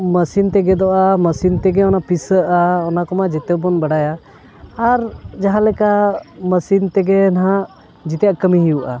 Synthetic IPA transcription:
məsint̪ɛɡɛd̪ɔʔaməsint̪ɛɡɛɔnapisəʔaɔnakɔmad͡ʒɛt̪ɛbɔnbaɽajaː | ɾd͡ʒaɦãlɛkaməsint̪ɛɡɛnaɦãʔ | d͡ʒit̪ɛjaʔkəmiɦiuʔa̰

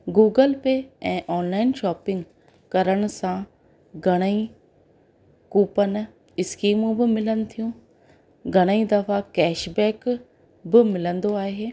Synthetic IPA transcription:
ɡuːɡəlpeːɛ̃ːʔɔːnlaːɪnʃɔːpɪ̃ŋɡ | kɐɾəɽ̃ʊ̆sã | ɡʱɐɽ̃əi | kuːpən | ɪskiːmũbɪmɪlənɪ̆t̪ʰijũ | ɡʱɐɽ̃əĩd̪ɐfakɛːʃbɛːk | bɪmɪlə̃nd̪oaːɦeː

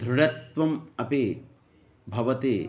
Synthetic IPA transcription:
d̪ʱɾuɽɐt̪ʋɐmɐpe | bʱɐʋɐt̪eː

